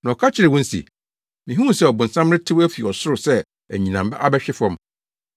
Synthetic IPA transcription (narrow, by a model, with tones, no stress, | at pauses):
nã˨ɔ˨kʰa˦t͡ɕʰɪ˨ɾɪ˨wɔ̃˦n̩˦sḭ˨ | mĩ˨ɦũ˦˨sɛ˦˨ɔ˨bʊ̃˨n̩˨sã˦mɾɪ̃˦tʰɪ˦wæ˦fi˨ɔ˨sʊ˦ɾʊ˨sɛ˦ | æ̰˨ɲĩ˨nã˨m˨ba˦ʔa˦bɛ˦ɕᶣɪ˦fɔ̃˦m